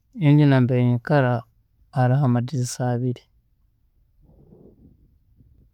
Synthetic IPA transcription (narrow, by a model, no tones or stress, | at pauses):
iɲd͡ʒinambeɲikaɾaː | ɾaɦamadizisaːβiɾi̥